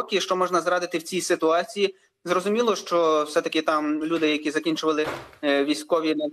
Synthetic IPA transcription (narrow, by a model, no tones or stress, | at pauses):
kʲɪʃt͡ʃɔmɔʒnɐzɾɑd̪ɪt̪ɪwt͡sʲijsɪt̪ʊɑt͡sʲiji | zrɔzʊmʲilˠɔʃt͡ʃɔwsɛt̪ɐkɪt̪ɑmlʲud̪ɪjɐkʲizɐkʲinʲt͡ʃʊʋɐlˠɪʋʲisʲkɔʋʲi